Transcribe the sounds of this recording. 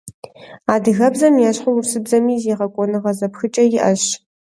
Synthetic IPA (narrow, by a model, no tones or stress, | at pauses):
aːdɨɣɐbzɐmjaːɕħowʊrsɨbzɐmiːzjeːʁɐkʷʼɔnɨʁɐzɐpxɨt͡ʃʼɐjɪʔɐɕ